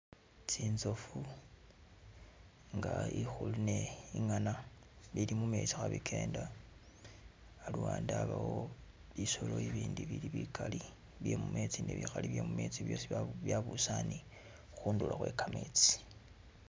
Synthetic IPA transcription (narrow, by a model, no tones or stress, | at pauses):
t͡siːnzo̞fu | ŋɡaixuluneiŋana | lilimume̞t͡sixaβikʰe̞ːnda | luwaːndaβawo̞ | βiso̞lo̞iβiːndiβiliβikʰali | βjemumet͡sineβixaliβjemumet͡siβjo̞ːsiβjaβusani | xuːndulaxwe̞ːkameːt͡si̥